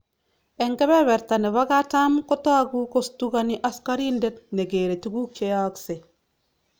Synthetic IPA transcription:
ɛŋɡɛβɛβɛɾtaneβaɡatamkotaɡukostukaniʔaskaɾindet̚neɡeɾetuɡuk̚t͡ʃejakse

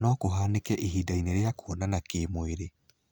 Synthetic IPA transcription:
nɔkoɦaːnekɛʔiɦiːdaineɾeakoːnanakeːmweɾe

